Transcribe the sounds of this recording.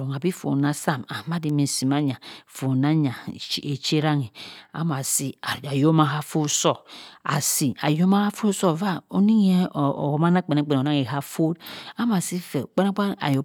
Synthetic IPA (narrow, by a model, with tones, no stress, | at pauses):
ɾo˨ŋa˨bi˦fo̰˨na˦sa˦˨ma˨ma˦di˨mi˨si˨ma˦ɲa˨fo˨na˦ɲa˨˦e˨t͡ʃe˦ɾa˦ŋi˨a̰˨˦m˨a˨si˦a˨a˨jo˦ma˦ɦa˦fo˦sɔ˦˨a̰˨si˨a̰˨jo˦ma˦ha˦fo˦sɔ˦va˦o˦ni˦ŋ˦ḛ˦˨o˨ma˦na˦˨k͡pe˨ne˦k͡pe˨n˨na˦ŋe˨ɦa˦fo˦da˦ma˨si˦fe˨k͡pa˦na˦k͡pa˦na̰˨jo˨